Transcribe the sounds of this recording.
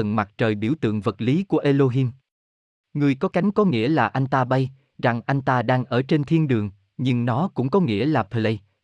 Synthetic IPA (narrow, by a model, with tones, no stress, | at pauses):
ə˨˩nma˨˩t̚t͡ɕəː˨˩jɓḭ˧˩əwt̪ɨ̰˧˨əŋvə˨˩t̚li˨˦ku˧˩əʔe˧lo˧ɦi˧m | ŋɨ˨˩əjkɔ˨˦ka˨˦jŋ̟kɔ˨˦ŋḭ˧˥əlaː˨˩ʔa˧jŋ̟t̪aː˧ɓa˧j | za˨˩ŋʔa˧jŋ̟t̪aː˧ɗaː˧ŋʔəː˧˩t͡ɕe˧nt̪ʰi˧nɗɨ˨˩əŋ | ɲɨ˧ŋnɔ˨˦kʊ̰˧˥ŋ͡mkɔ˨˦ŋḭ˧˥əlaː˨˩pʰə˨˩lə˧j